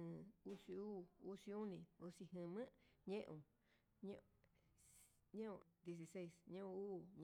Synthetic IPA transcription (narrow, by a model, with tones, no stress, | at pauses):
ɨ̃˨˧u˦si˧uː˦u˦si˧u˦nĩ˧u˧si˧ɦɨ̃˧˨mɨ̃˦ʔɲẽ˦ʔũ˧˨ | ɲ̃˦ | ɲẽ˦ũ˧d̪je˧s̬i˧se˦jsɲũ˦ũ˧uː˦ɲ